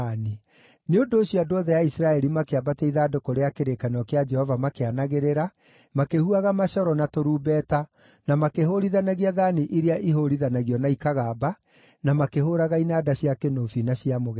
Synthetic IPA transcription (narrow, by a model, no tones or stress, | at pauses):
ni | neondoːɕiɔadoɔðɛjaisɾaɛɾimakeabatɛiðaːdokoɾeakeɾekanɔkead͡ʒɛhɔvamakeanaɣeɾeɾa | makehuaɣamaʃɔɾɔnatoɾuːbɛːta | namakeɦoɾiðanaɣiaðaniʔiɾeaʔiɦoɾiðanaɣiɔnaikaɣaːba | namakeɦoɾaɣainaːdaɕiakenofinaɕijamoɣɛ